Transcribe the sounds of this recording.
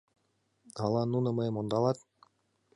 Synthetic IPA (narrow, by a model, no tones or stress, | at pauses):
ɑlˠɑnunɤ̆mɤ̆jmond̪ɑlˠɑt̪̚